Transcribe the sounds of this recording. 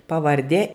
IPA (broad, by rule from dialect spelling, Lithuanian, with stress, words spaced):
pɐʋɐrʲˈdʲeː